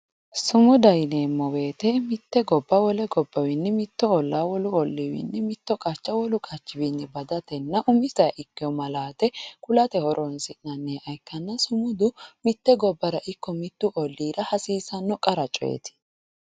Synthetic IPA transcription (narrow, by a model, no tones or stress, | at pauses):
sʊmʊd̪ɐjneːmːɔwe̞ːt̪ɛmɪt̪ːɛɡɔbːɐwɔlɛɡɔbːɐwɪnːɛmɪt̪ːɔɔlːaːwɔlʊɔlːɪwɪ̰nːɛmɪt̪ːɔkʼɐt͡ʃːɐwɔlʊkʼɐt͡ʃːɪbinːɛbɐd̪ɐt̪ɛnːɐʔʊmɪzɐjʔɪkːɪjɔmɐlaːt̪ɛkʊlɐt̪ɛhɔɾʔɔnsɪnnɐnːeʔɐjkːɐnːɐsʊmʊd̪ʊmɪt̪ːɛɡɔbːɐɾɐʔɪkːɔmɪt̪ːʊʔɔlːiːɾɐhɐsiːsɐnːɔkʼɐɾɐt͡ʃʼɔ̰jɛ̰t̪ɪ̥